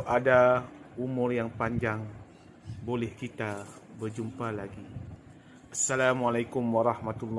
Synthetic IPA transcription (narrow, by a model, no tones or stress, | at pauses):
ʔadaumʊrjaŋpaɲd͡ʒaŋ | bolɛhkit̪a | bərd͡ʒumpalaɡi | ʔasːalamualajkʊmwaɾˤɑhmat̪ulː